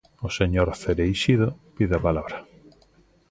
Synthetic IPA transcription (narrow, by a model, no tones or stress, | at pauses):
oseɲoɾθeɾejʃiðopiðapalaβɾa